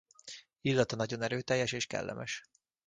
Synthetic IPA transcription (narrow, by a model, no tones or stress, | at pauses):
ilːɒt̪ɒnɒɟo̞nɛɾøːt̪ɛjːɛʃeːʃkɛ̰lːʔɛ̰mʔɛʃ